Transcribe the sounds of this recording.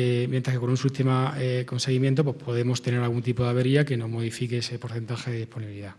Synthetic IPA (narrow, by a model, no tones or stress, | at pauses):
emjnt̪ɾakeko̞nunsit̪emaeko̞nseɣ̞imjent̪̬o̞pwehpʰo̞ðe̞mo̞st̪e̞ne̞ɾalɣunt̪ipoðaβe̞ɾiake̞noɦmo̞ð̞ifikeesepo̞ɾθe̞nt̪axeðeðihpo̞niβiliða